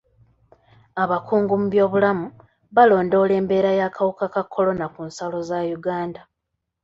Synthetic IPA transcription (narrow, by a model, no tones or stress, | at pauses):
aβakuːŋɡumuβjo̞ːβulamu | βalo̞ːndo̞ːle̞ːmbe̞ːɾajakawukakakʰːo̞lo̞nakunsalo̞zajuɡaːnda